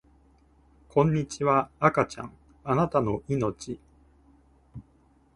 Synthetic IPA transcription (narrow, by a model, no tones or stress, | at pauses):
kʰõ̞ɲ̟ːit͡ɕiβaːkat͡ɕã̰ŋ | anat̪ano̞ʔino̞t͡ɕi